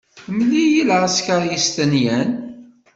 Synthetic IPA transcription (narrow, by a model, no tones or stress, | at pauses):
mlijilʁæskəɾjist̪ænjæn